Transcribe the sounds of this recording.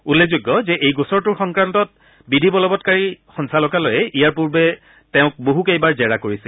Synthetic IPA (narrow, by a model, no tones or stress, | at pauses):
ulːezʊɡːɔzɛʔejɡosɔɹtʊɹxɔŋkɹantɔt̚ | bidʱibɔlɔbɔtkaɹixɔnsalɔkalojɛʔijaɹpuɹbɛ | tɛʊ̃k̚boɦukejbaɹzɛɹakoɹisil